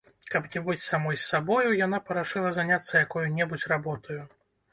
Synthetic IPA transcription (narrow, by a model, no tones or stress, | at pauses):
kɐpnʲɛbɨt͡sʲsamɔjsːabɔjujanapɐɾaʂɨlˠɐzanʲat̪sːɐjakɔjunʲɛbut͡sʲrabɔt̪ʰɐju